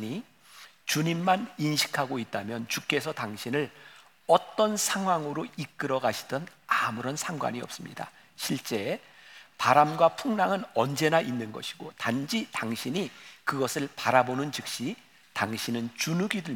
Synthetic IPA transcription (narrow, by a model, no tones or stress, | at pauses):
ɲi | t͡ɕuɲimːaninɕʰi̥kʰaɡoit̚t͈amjʌnt͡ɕuk͈e̞sʰʌtaŋɕʰinɯɭ | ʌt͈ʌnsʰaŋɦwaŋɯɾoik̚k͈ɯɾʌɡaɕʰi̥d̥ʌnamuɾʌnsʰaŋɡwa̰ɲiʌp̚s͈ɯmɲida̰ | ɕʰiɭt͡ɕ͈e̞ | paɾamɡwapʰuŋnaŋɯnʌnd͡ʑe̞naʔinːɯnɡʌɕʰi̥ɡotand͡ʑitaŋɕʰiɲikɯɡʌsʰɯɭpaɾabonɯnt͡ɕɯk̚ɕ͈i | taŋɕʰinɯnt͡ɕunuɡidɯ